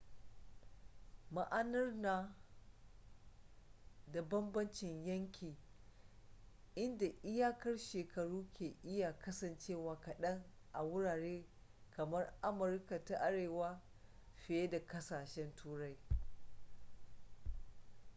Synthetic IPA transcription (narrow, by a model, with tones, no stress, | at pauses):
ma˦ʔa˦nɐ˦rnaː˨ | da˨bɐ˦mbɐ˦nt͡ʃɪ˨ɲjɐ˦ŋkʲiː˨ | ʔɪ˦nda˨ʔɪ˦jaː˦kɐ˦rʃeː˨kɐ˨ɽuː˦kʲeː˨ʔɪ˦ja˨kɐ˦sɐ˨nt͡ʃeː˦˨waː˨kɐ˨ɗɐ˦ŋ | ʔa˨wʊ˦ɽaː˨ɽeː˦ | kɐ˨mɐ˦rʔa˦mʊ˨ɾka˨ta˦ʔa˦ɽeː˨waː˦ | ɸɪ˨je˦da˨kɐ˦saː˨ʃɛ˦ntuː˦ɾa˦j